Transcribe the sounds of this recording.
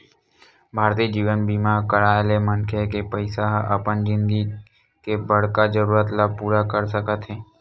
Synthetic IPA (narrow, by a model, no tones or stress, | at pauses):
bʱaːɾt̪iːd͡ʒiːʋənbiːmaɾkəɾaːlemənkʰekepəɪsaɦə̰pənd͡ʒɪ̃nɡi | kebəɽ̤kad͡ʒəɾuːɾət̪lapuːɾakəɾsəkət̪ɦɛː